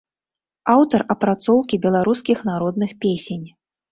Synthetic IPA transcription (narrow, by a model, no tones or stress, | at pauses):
awt̪ɐrɐpɾat̪sɔwkʲibʲɛlˠaɾuskʲixnaɾɔd̪nɨxpʲesʲenʲ